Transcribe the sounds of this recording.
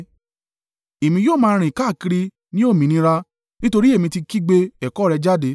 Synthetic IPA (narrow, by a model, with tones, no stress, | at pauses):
e˨mĩ˧joː˦˨mãː˦˧ɾ̃ĩ˨ka˦˨ki˧ɾi˧ | nĩ˦o˦˨mĩ˨˧nĩ˧˦ɾa˧ | nĩ˦to˧ɾi˦e˦˨mĩ˧ti˧ki˦ɡ͡be˧ɛ˨kɔ˨˦ɾɛ˧d͡ʒa˦˨de˧˦